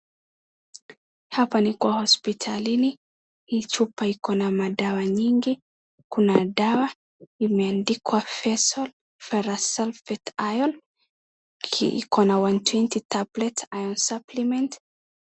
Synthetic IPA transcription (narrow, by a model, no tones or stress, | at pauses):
hapanikwahɔspitʰalini | it͡ʃupaikɔnamaɗawaɲiŋɡi | kunadawa | imɛandikwafɛsɔl | fɛɾasɛlfɛtajɔn | ḭkɔnawantwɛntitablɛtajɔnsaplimɛnt